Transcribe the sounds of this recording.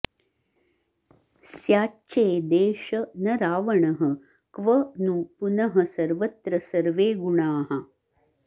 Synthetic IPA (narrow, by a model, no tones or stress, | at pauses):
sjaːt͡ʃeːd̪eːʃɐnɐɾaːʋɐɳɐɦɐ | kʋɐnupunɐɦɐsɐɾʋɐt̪ɾɐsɐɾʋeːɡuɳaːɦɐ